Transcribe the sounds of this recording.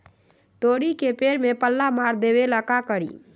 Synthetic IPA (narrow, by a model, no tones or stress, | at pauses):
t̪oːɽikepeːɾmẽpəlːamaːɾd̪eːweləkakəɾḭː